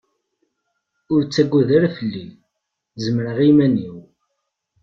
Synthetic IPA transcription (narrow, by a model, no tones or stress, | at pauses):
ʊɾt͡sːæɡʷːuðəɾæfəlːi | zəmɾəʁimæniw